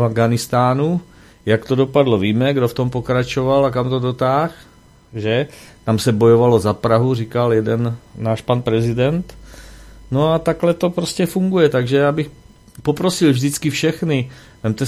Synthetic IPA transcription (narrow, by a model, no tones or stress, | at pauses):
avɡanɪst̪aːnu | jakt̪o̞do̞padlo̞viːmɛɡdoft̪o̞mpo̞kɾat͡ʃo̞valak̬amt̪o̞do̞t̪aːx | ʒɛt̪amsɛbo̞jovalo̞zapɾaɦurikaljɛdɛnːaːʃpanpɾɛzɪdɛnt̪ | no̞at̪aklɛt̪o̞pɾoscɛfuŋɡujɛt̪aɡʒɛjaːbɪx | popɾo̞sɪlvʒdɪt͡skɪfʃɛxnɪ | vɛmt̪ɛ